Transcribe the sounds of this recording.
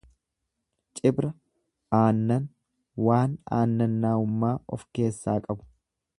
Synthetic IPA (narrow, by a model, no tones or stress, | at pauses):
t͡ʃʼɪbɾɐ | aːnːɐn | waːna̰ːnːɐnːaːʊmːaːɔ̰fke̞ːsːaːkʼɐbʊ̥